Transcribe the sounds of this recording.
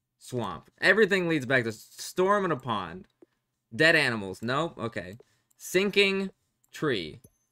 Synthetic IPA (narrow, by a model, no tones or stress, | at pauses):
swɑ̰̃mpʔɛvɹiθɪ̃ŋlidzbæk̚tɨstɔɹmə̃nəpʰɑ̰̃n | dɛɾæñəml̩ˠz̥noʊʔo̰ʊkʰeɪ | sɪ̃ŋkɪ̃ŋ | tʰɹ̥ḭ